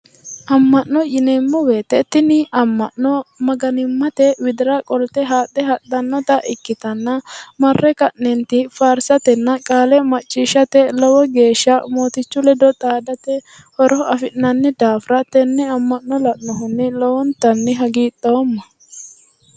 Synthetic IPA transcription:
ʔɐmːɐʔːɔjɪnɛmːɔweːt̪ːɛt̪ːɪnɪɐmːɐʔːɔmɐɡɐnɪmːɐt̪ɛwɪd̪ɪɾɐkʼɔlt̪ɛɦaːt̪ːɛɦɐt̪ːɐnːɔt̪ɐʔɪkːɪt̪ɐnːɐmɐrːɛkɐʔnɛnt̪ɪfaːɾsɐt̪ɛnːɐkʼaːlɛmɐt͡ʃʼːiːʃːɐt̪ɛlɔwɔɡe̞ːʃːɐmo̞ːt̪ɪt͡ʃːʊlɛd̪ɔt̪ʼaːd̪ɐt̪ɛ | hɔɾɔɐfɪnɐnːɛd̪aːfɾɐt̪ɛnːɛɐmːɐnːɔlɐʔnɔɦʊnːɪlɔwɔnt̪ɐnːɪɦɐɡiːt̪ʼːomːɐ

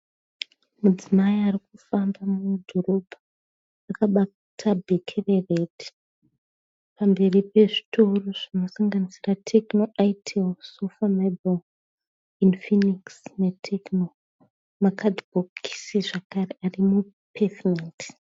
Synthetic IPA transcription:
mud͡zimaiarikufambamumdʱoro̞bʱaː | kaɓa | tʰabʱekʰereredi̥ | pambe̞ripe̞ʐi̥tʰoroʐ̥ino̞saŋɡanisiratʰeknoʔajtʰelsufamabol | infiniksnetʰekno | makadboki̥siʐakarearimu | pʰesment

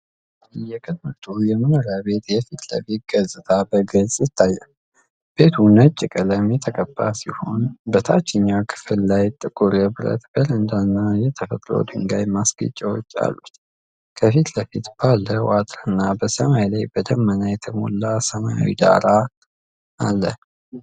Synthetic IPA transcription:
jɛkʼəd̪mɨt̪ʰujɛmɨmoɾabe̞t̪jɛfit̪lə̰fit̪̚ɡəzʼɨt̪ʰabəɡəzʼjɪt̪ʰːajːɛ | b̥e̞t̪ʰunət͡ʃʼːɪkʼələmjɛt̪ʰəkʼəbːasiho̞nbət̪ʰat͡ʃːɪɲːakʰɨ̥fɨlːajt̪ʼɨkʼuɾɛbɾə̰t̪bələnd̪anːajɛt̪ʰəfət̪ʼɾo̰d̪ɨŋɡajmasɡə̰t͡ʃʼːawo̰t͡ʃːa̰lːut̪ | kʰəfit̪ləfit̪b̥alːəwat̪ʼɾɨnːabəsəmajlajbəd̪əmːənajɛt̪ʰəmolːasəmaja̰wḭd̪a̰ɾa | alːə

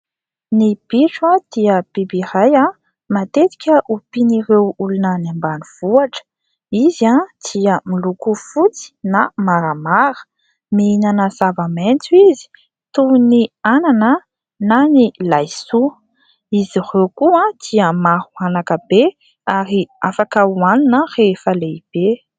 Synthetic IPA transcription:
nib̥iʈ͡ʂwad̪̥iəb̥ibiɾaja | mat̪et̪i̥kʲəʔupiniɾewulunənambaniv̥uaʈ͡ʂə̥ | izad̪̥iəmilukufut͡si̥namaɾamaɾə̥ | meinanəzavament͡suizi̥ | t̪uniananə | nanilajsu | izirewkuãd̪̥iəmaɾuanakəbe | aɾiafakəuaninərefəleib̥e

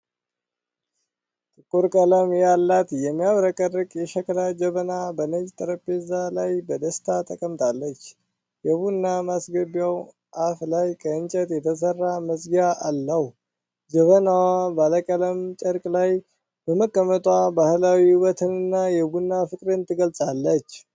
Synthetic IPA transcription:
t̪ʼɨkʼːuɾkʼələmjalːat̪jɛmːijaβɾəkʼərɨkʼjɛʃəklad͡ʒəβənabənəd͡ʒt̪ʼəɾəpːezalajbəd̪əst̪ʰat̪ʼəkʼəmt̪ʰʼalːət͡ʃː | jɛβunːamasɡəbjaw | ʔaflajkʰəɨnt͡ʃʼət̪jɛt̪ʰəs̬ərːaməsɡjaʔalːəh | d͡ʒəβənawabaləkʼələmt͡ʃʼəɾkʼlaj | b̥əməkʼːəmət̪ʼwabahlawiwɔt̪ʰɨnɨnːajɛbunːafɨkʼɾɨnt̪ʰɨɡəlsʼalːət͡ʃː

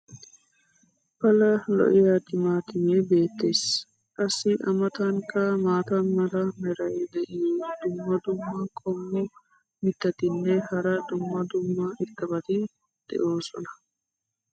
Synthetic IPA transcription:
pɐlɐlɔ̰ʔɪjaːt̪ɪmaːt̪ɪmeːbe̞ːt̪ːe̞ːs | kʼɐsːɪʔɐmɐt̪ɐŋkɐmaːt̪ɐnmɐɾɐmɛɾɐjd̪ɛʔɪd̪̥ʊmːɐd̪ʊmːɐkʰʼɔmːʊ | mɪt̪ːɐt̪ɪnːɛhɐɾɐd̪ʊmːɐd̪ʊmːɐʔɪt̪ːɐbɐt̪ɪ | d̪̥ɛ̰ʔoːsɔ̰nɐ̥

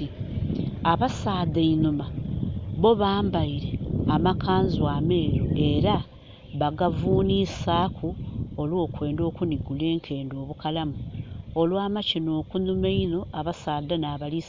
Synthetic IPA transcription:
i | aβasaːdeinumaβo̞βaːmbaiɾeamakaːnzwaːme̞ːɾoe̞ɾa | βaɡavuːnisaːkʰuolwo̞ːkwe̞ːndo̞ːkuniɡule̞ːŋkʰe̞ːndo̞ːβukalamuolwaːmacino̞ːkunumeino̞ʔaβasaːd̪anaːβalis

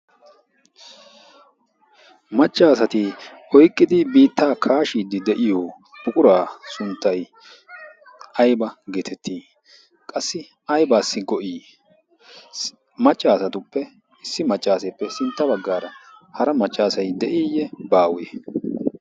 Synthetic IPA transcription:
mɐt͡ʃʼːaːsɐt̪ɪ | ɔjkʼːɪd̪ɪbiːt̪ʰːaːkʰaːʃiːd̪ɪd̪ɛʔɪjɔː | b̥ʊkʼʊɾaːsʊnt̪ːɐj | ɐjbɐɡeːt̪ʰɛt̪ʰːiː | kʼɐsːɪ | ɐjbaːsːɪɡɔʔiː | mɐt͡ʃʼːaːsɐt̪ʊpːɛ | ɪsːɪmɐt͡ʃʼːaːsepːɛsɪnt̪ːɐbɐɡːaːɾɐhɐɾɐmɐt͡ʃʼːaːsɐjd̪ɛʔiːjːɛbaːwe

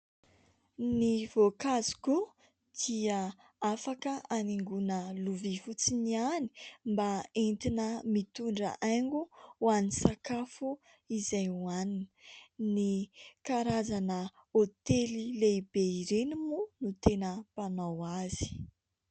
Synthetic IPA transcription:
niv̥okazi̥ku | d̪̥iə | afakəaniŋɡunəluvifut͡siniani̥mbaent̪inəmit̪uɳɖ͡ʐə̰ʔaŋɡuwanisakafu | izajuanininikaɾazanə | ot̪elilebeiɾenimunut̪enəpanawazi̥

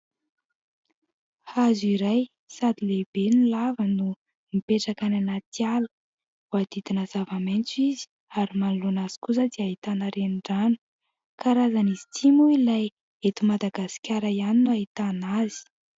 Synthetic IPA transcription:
hazuiɾaj | sad̪ilebenilavənu | mipeʈ͡ʂakananat̪ialə | uad̪̥id̪̥inəzavament͡suizi̥ | aɾimanulonaz̥i̥kus̬əd̪iaɦit̪anaɾeniɳɖ͡ʐanu̥ | kaɾazanizi̥t͡sʰimuilaj | et̪umad̪aɡasi̥kʲaɾaianinuaɦit̪anazi̥

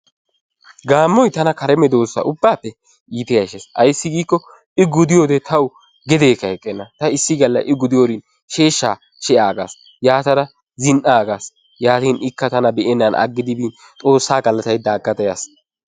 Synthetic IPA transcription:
ɡaːmːɔjt̪ɐnɐkɐɾɛmɛd̪o̞ːsːɐ̰ʔʊbːaːpːɛ | iːt̪ɪjɐʃɛsɐjsːɪɡiːkːɔ | ɪɡʊd̪ɪjoːd̪ɛt̪ʰɐw | ɡɛd̪eːkɐɛkʼːɛnːɐt̪ɐɪsːɪɡɐlːɐjʔɪɡʊd̪ɪjoːd̪ɪn | ʃe̞ːʃːaː | ʃɛjaːɡaːs | jaːt̪ɐɾɐ | zɪnʔaːɡaːs | jaːt̪iːnɪkːɐt̪ɐnɐbɛʔɛnːɐnɐ̰ɡːɪd̪ɪbiːn | t̪ʼo̞ːsːaːɡɐlːɐt̪ɐjd̪aːɡːɐt̪ɐjɐs

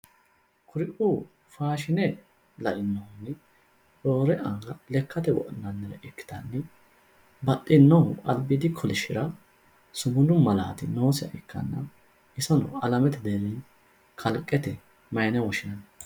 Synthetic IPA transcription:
kʰʊɾɪʔʊ | faːʃɪnɛ | lɐʔɪnːɔhʊnːɛ | do̞ːɾɛʔɐŋɡɐlɛkʰːɐt̪ɛwɔ̰ʔɪnːɐnːɛɾɛʔɪkːɪ̥t̪ɐnːɛ | bɐtʼːɪnːɔhʊʔɐlbɪd̪ɪkʰɔlɪʃɪɾɐ | sʊmʊnʊmɐla̰ːt̪ɪno̞ːsɪɐ̰ʔɪkːɐ̰nːɐ | ɪsɔnɔ̰ɐlɐmɛt̪ɛd̪eɾɪn | kʰɐlkʼːɛt̪ɛ | mɐjnɛwɔʃɪnɐn

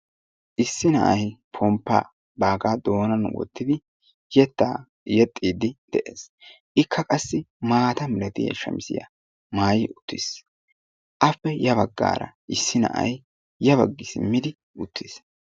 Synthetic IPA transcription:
ʔɪsːɪnɐ̰ʔɐjpʰɔmpːa̰ː | baːɡaːd̪o̞ːnɐn̰wɔ̰t̪ːɪd̪ɪ | jɛt̪ːa̰ː | jɛt̪ʼːiːd̪ɪd̪̥ɛʔeːs | ʔɪkʰːɐkʼɐsːɪmaːt̪ɐmɪlɐt̪ɪjɐ̰ʃɐ̰msɪ̰jɐ̰ | maːjɪʊt̪ʰːɪs | ʔɐpːɛjɐβɐɡːa̰ːɾɐ̰ʔɪsːɪnɐ̰ʔɐ̰jː | ɐβɐɡːɪsɪmːɪd̪ɪ | ʊt̪ːɪs

